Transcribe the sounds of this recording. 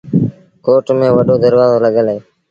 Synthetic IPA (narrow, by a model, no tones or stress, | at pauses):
koːʈmẽːʋəɗoːd̪əɾʋaːzoːləɠəlɦeː